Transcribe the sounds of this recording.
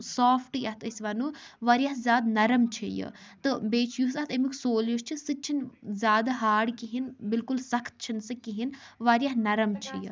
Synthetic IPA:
saːfʰʈjat̪ɐsʋɐnuʋaːɾijaɦzʲaːd̪nɐɾɐmt͡ʃʰḭjɨ̰t̪ɨbeːt͡ʃʰjusat̪emiksoːljuʃt͡ʃʰisɨt͡ʃʰinzʲaːd̪aɦaːɽkiɦinbilkulsɐkʰt̪̚t͡ʃʰinsɨkiɦinʋaːɾjaɦnɐɾɐmt͡ʃʰijə̰

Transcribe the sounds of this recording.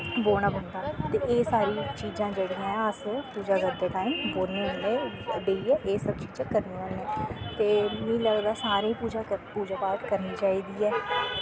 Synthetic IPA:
boːɽ̃aːbənd̪aːt̪eːʔeːsaːɾiːt͡ʃiːd͡ʒãːd͡ʒeːɽijãːəspuːd͡ʒaːɡəd̪eːkaːĩːboːneːne | ɖeiːɛːʔeːsəb̚t͡ʃiːd͡ʒãːkəɾniːənẽːt̪eːnĩːləɡd̪aːsaːɾẽːpuːd͡ʒapuːd͡ʒaːpaːkkəɾniːt͡ʃaːiːd̪iːɛː

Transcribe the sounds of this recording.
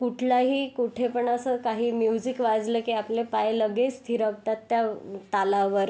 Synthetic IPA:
kuʈʰlaɦiːkuʈʰepəɳəsəkaɦiːmjud͡zikʋad͡zləːkiːaplepajləɡest̪ʰiɾəɡ̚t̪at̪ːjat̪alaʋəɾ

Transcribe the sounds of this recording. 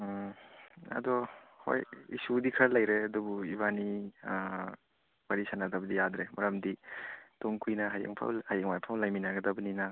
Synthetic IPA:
ɐ̰dɔho̰jḭsudikʰɐlɐjɾeɐdubuiβani | waɾisanadɐbɐdijadɾemʔɐɾɐmditoŋkʰujnɐɦajḛŋpʰa̰whajaŋmajpʰawlajminaɡɐdɐbɐninɐ

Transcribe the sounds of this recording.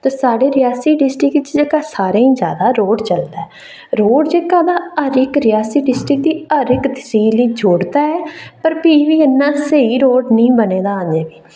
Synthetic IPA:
t̪aːsaːɖeːɾɪjaːsiːɖɪsʈɾɪkt͡ʃd͡ʒeːkaːsaːɾẽːĩːd͡ʒa̰ːd̪aːɾoːɖt͡ʃəld̪aɛː | ɾoːɖd͡ʒeːkaːd̪aːəɾɪkɾɪjaːsiːɖɪsʈɾɪkt̪iːəɾɪkd̪ɪsiːliːd͡ʒʱoːɽd̪aːɛːpəɾpiːʋiːənːãːseiːɾoːɖnəĩːbəneːd̪aːə̃nd͡ʒẽːbiː

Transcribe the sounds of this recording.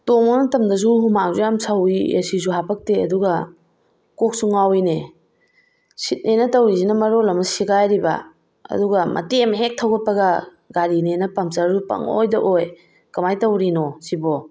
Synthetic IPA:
tomɔnɐtɐmdɐzuhumaŋzujamsawijḛsizuɦapʰɐk̚teɐ̰duɡɐ | kok̚suŋawine | sit̚nenɐtɐwɾizinɐmɐɾɔlɐmɐsiɡajɾibɐ̰ | ɐ̰duɡɐmʔɐ̰temɦek̚tʰɐwɡɐt̚pɐɡɐ | ɡaɾinenɐpɐmsaɾzupɐ̰ŋo̰jdɐʔoj | kɐmajtɐwɾinɔsibɔ

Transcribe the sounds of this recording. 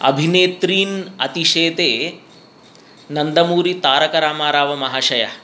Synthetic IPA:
ɐ̰bʱineːt̪ɾiːnɐt̪iʃeːd̪eː | nɐnd̪ɐmuːɾit̪aːɾɐkɐɾaːmaːɾaːʋɐmɐɦaːʃɐjɐ̰

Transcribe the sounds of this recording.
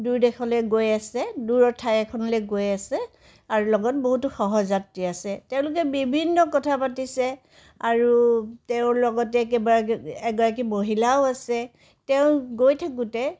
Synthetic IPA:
dujdɛxʰɔlɛɡojasɛduɹɔtʰajɛkʰɔnɔlɛɡojasɛ | aɹulɔɡɔt̚boɦutʊxɔɦɔzatɹiasɛtɛʊ̃lʊk̬ɛbibʱinːɔkɔtʰapatisɛ | aɹuteʊ̃lɔɡɔtɛkɛbɔaɛɡɔɹak̬imoɦilaʊasɛ | tɛʊ̃ɡojtʰak̬ũtɛ

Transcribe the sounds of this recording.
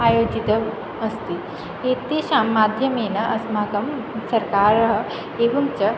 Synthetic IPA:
aːjoːd͡ʑit̪ɐ | ɐst̪i | ɦeːt̪eʃaːmːaːd̪ʱjɐmeːnɐʔɐsmaːkɐmsɐɾkaːɾɐɦɐ | eːʋɐmt͡ʃɐ

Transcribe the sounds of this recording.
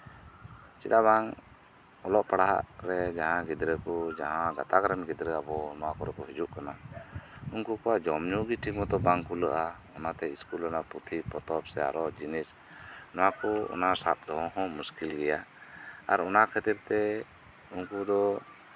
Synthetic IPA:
t͡ʃit̪abaŋ | ɔlɔʔpaɽaɦa̰ʔɾɛd͡ʒaɦãɡid̪ɾəkɔd͡ʒaɦãɡat̪aɡɾanɡid̪ɾəabɔnɔwakɔɾɛkɔɦid͡ʒuʔkana | unkukɔwad͡ʒɔmɲuɡiʈʰimɔt̪ɔbaŋkuləʔa | ɔnat̪ɛiskulɔnaput̪ʰipɔt̪ɔpsɛa̰ɾɔd͡ʒinis | nɔwakɔɔ̰nasa̰p̪̚d̪ɔɦɔ̃ɦɔ̃muskilɡɛjaaɾɔnakʰɛt̪iɾt̪ɛ | unkud̪ɔ

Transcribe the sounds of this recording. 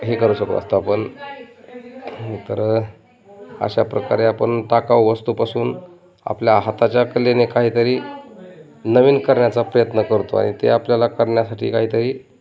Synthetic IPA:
ɦekəɾuːɕəkto̰ə̰st̪aapəɳ | t̪əɾ | ə̰ɕapɾəkaɾeapəɳʈakawʋəst̪upasuːn | a̰pljaɦat̪at͡ɕjakəlenekaɦiːt̪əɾiː | nəʋiːnkəɾɳjat͡sapɾəjət̪nəkəɾt̪o̰a̰ɽ̃it̪ḛapljalakəɾɳjasaʈʰḭːkaɦiːt̪əɾiː

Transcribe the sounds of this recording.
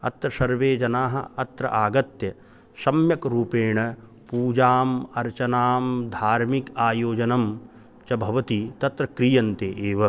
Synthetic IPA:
ɐ̰t̪ɾɐsɐɾʋeːd͡ʒɐnaːɦɐ̰̆ɐt̪ɾɐ̰ʔaːɡɐt̪jɐ | sɐmjɐkɾuːpeːɳɐ | puːd͡ʒaːmɐɾt͡ʃɐnaːmd̪ʱaːɾmikaːjoːd͡ʒɐnɐm | t͡ʃɐbʱɐʋɐt̪it̪ɐt̪ɾɐkɾijɐnt̪eːʔeːʋɐ

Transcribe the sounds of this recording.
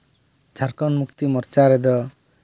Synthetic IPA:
t͡ʃʰaɾkɔnmukt̪imɔɾt͡ʃaɾɛd̪ɔ

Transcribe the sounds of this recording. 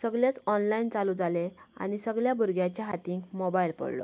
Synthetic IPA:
səɡljat͡sɔnlaint͡saluːd͡zalea̰ñisəɡljabuɾɡjat͡ɕjaɦat̪ĩːŋkmobailpə̰ɽlo̰

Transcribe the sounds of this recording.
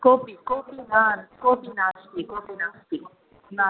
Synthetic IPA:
kopikopinankopinaːst̪ikopinast̪i | na

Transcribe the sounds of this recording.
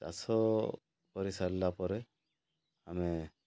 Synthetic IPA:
ta̰sɔ | pɔɾisalːapɔɾe | ame

